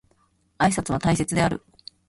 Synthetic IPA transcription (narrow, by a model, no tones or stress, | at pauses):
aisat͡sɨβat̪aise̞t͡sɨd̪e̞aɾɯ̟